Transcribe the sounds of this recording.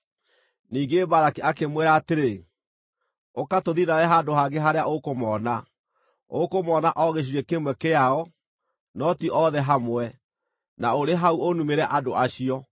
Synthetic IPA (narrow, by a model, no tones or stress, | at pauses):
niːɡebaɾakiʔakemweɾaːteɾe | okatoðinaɾɛɦadohaŋɡeɦaɾeaʔokomɔːna | okomɔnaʔɔɣeɕ̬iɾɛkemwɛkeaɔ | nɔtiʔɔðɛɦamwɛ | naoɾeɦauonumeɾɛʔadoaɕiɔ